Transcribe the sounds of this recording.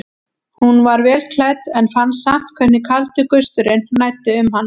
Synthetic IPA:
hunvaɾvɛːlkʰlaːjt̪ɛnfanːsam̥kʰvɛhnɪkʰalt̪ʏkœst̪ʏɾɪnnaːjt̪ɪʏmɦanː

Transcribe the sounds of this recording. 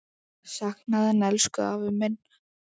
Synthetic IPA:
saxnaðɛnɛlskʏavɪmɪnː

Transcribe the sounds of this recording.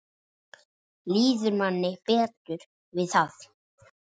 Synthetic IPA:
liːðʏɾmanːɪpɛːt̪ʏɾ̥ | vɪðθaθ

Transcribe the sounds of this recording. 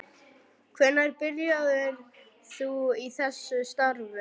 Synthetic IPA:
kʰvɛnːaɾpɪljaðɪɾ | θuiθɛsːʏst̪aɾvʏ

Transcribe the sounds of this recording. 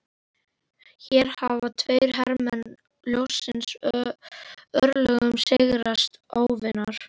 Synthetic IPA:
çɛɾ̥havat̪ʰvœːɥɾɦɛɾmɛn | ljowsɪns | œɾlœɣʏmsɪɣɾast̪aːwvɪnaɾ̥

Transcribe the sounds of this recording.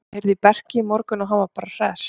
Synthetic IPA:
ejɾðɪpɛr̥cɪːmɔɾkʏnɔɣɦavapaːɾar̥ɛːs

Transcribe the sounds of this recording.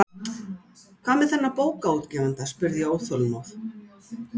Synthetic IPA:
kʰvaːmɛðθɛnːapoːwkaut̪cɛːvant̪aspʏɾðjɛoːwθɔlmawθ

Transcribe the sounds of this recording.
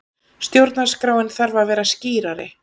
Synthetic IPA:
st̪jowɾt̪naskɾaːwɪnθaɾvavɛːɾasciːɾaɾɪ̰

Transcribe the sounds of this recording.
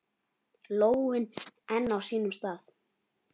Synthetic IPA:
loːwɪnɛnːawsiːnʏmst̪aːθ

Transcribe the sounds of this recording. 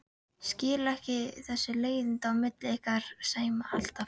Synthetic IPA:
scɪːlɛhcɪθɛsːʏleːjðɪnt̪aːwmɪt̪lɪɪhkaɾ̥saːjmaʔa̰l̥t̪a

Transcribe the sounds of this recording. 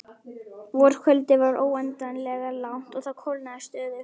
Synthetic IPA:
vɔɾ̥kʰœlt̪ɪvaɾʔoːwɛnt̪anlɛɣalawn̥t̪ɔɣθaðkʰowlnaðɪst̪œːðɪ

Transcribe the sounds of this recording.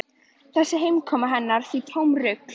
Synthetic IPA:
θɛsːɪɦejmkʰɔːmaɦɛnːaɾ̥θit̪ʰoːwmrʏk

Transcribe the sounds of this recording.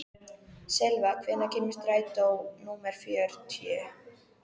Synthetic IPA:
sɛlvakʰvɛːnacʰɪnmːɪst̪ɾaːjt̪awnuːmɛɾ̥fjœɾ̥t̪ʰjɛː

